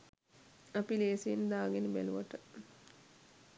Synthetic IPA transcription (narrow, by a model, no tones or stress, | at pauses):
apileːsiend̪aːɡenibæ̰luʋaʈə